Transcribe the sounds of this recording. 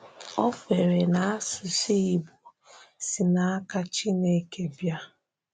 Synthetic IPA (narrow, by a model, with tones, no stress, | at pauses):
ɔ˦fe˨ɾe˨na˨a˦sʊ˨si˦i˨bu˨ | si˨na˨a˦ka˦t͡ʃi˦ne˨˦ke˦bja˦